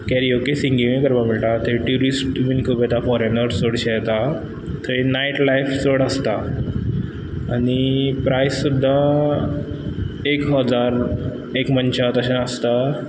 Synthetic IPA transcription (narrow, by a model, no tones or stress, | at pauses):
kɛɾiokesiŋɡiʋẽkəɾbamiɭʈat̪eʈuɾisʈʋinkubet̪afɔɾenəɾsoɽɕet̪a | t̪ʰəenaiʈlajfsoɽəst̪a | aɽ̃ipɾajsːud̪ʱːa | ekɦəd͡zaɾ | ekmənt͡ɕat̪əɕãəst̪a